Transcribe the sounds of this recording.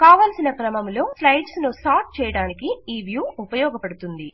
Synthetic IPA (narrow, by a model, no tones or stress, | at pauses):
kaːʋaːlsinɐkɾɐmɐmlo̞ːslɐjɖsnusaːɾʈ̚t͡ʃɛːjɐɽaːnikiiːʋjuːupɐjɔːɡɐpɐɽut̪und̪i